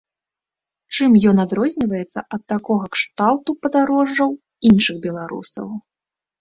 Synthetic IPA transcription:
t͡ʂɨmjɔnad̪ɾɔzʲnʲivɐjɛt̪sːɐ̰ʔɐt̪ːakɔɣɐkʂt̪alˠt̪upɐd̪aɾɔʐːɐw | inʂɨɣbʲɛlˠaɾṵsɐ̰w

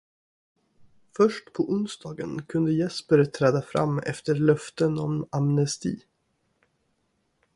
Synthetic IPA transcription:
fœʂʈpʰɔʔʊnsd̪ɑːɡə̰nkʰɵnd̪əjɛspəɾt̪ʰɾɛːd̪afɾa̰mːɛ̰ft̪əɾɭœft̪ənɔ̰mamnɛst̪ḭː

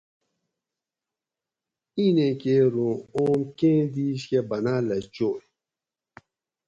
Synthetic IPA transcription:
inẽkeɾũomkẽd̪iskɛbanalɛt͡ʃoe

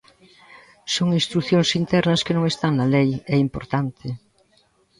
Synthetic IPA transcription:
soŋĩnst̪ɾuθjoŋsint̪ɛɾnɐskɪnõŋest̪aŋnɐlejɛimpoɾt̪ant̪ʰɪ

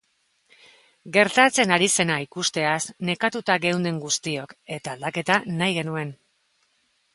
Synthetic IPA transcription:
ɡe̞ɾt̪at͡se̞naɾise̞naikust̪e̞asne̞kat̪ut̪aɣe̞wnd̪e̞ŋɡust̪io̞ke̞t̪aːld̪ake̞t̪anajɣe̞nue̞n

